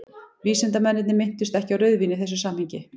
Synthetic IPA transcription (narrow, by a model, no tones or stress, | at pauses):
viːsɛnt̪amɛnːɪt̪nɪmɪn̥t̪ʏst̪ɛhcɪawɾœɥðvinɪθɛs̬ːʏsaːmhiɲcɪ